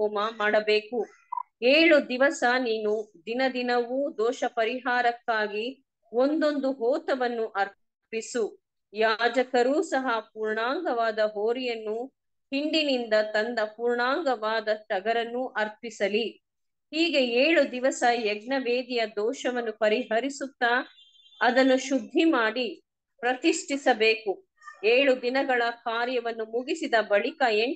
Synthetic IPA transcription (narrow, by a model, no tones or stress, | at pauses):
ɔːmɐmaːɽɐbeːku | eːɭud̪iʋɐsɐniːnud̪inɐd̪inɐʋuːd̪ɔːʃɐpɐɾiɦaːɾɐkːaːɡi | ond̪o̞nd̪uɦɔːt̪ɐʋɐnːuʔɐɾ | pisu | jaːd͡ʒɐkɐɾuːsɐɦɐpuːɾɳaːŋɡɐʋaːd̪ɐɦoːɾijɐnːu | hiɳɖinind̪ɐt̪ɐnd̪ɐpuːɾɳaːŋɡɐʋaːd̪ɐʃɐɡɐɾɐnːuʔɐɾpisɐli | hiːɡe̞eːɭud̪iʋɐsɐjɛɡɳɐʋeːd̪ijɐd̪ɔːʃɐʋɐnːupɐɾiɦɐɾisut̪ːa | ɐd̪ɐnːuʃud̪ʱːimaːɽi | pɾɐt̪iʂʈisɐbe̞ːku | eːɭud̪inɐɡɐɭɐkaːɾjɐʋɐnːumuɡisid̪ɐbɐɭikɐeɳ